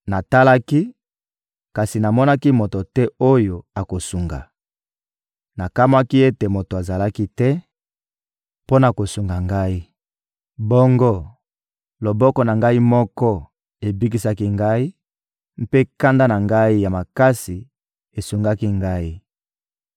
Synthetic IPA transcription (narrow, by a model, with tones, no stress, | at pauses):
na˨ta˦la˦ki˦ | ka˨si˨na˨mɔ˦na˦ki˦mo˨to˨tɛ˦o˦jo˨a˨ko˨su˨ŋɡa̰˨ | na˨ka˦ma˦ki˦e˦te˨mo˨to˨a˨za˨la˦ki˦tɛ˦ | po˦na˨ko˨su˨ŋɡa˨ŋɡa˦i˦ | bɔ˦ŋɡo˦ | lo˨bɔ˦kɔ˦na˨ŋɡa˦i˦mɔ˦kɔ˦ | e˨bi˦k̬i˦sa˦ki˦ŋɡa˦i˦ | m̩˦pe˦ka˦nda˦na˨ŋɡa˦i˦ja˨ma˨ka˦si˨ | e˨su˨ŋɡa˦ki˦ŋɡa˦i˦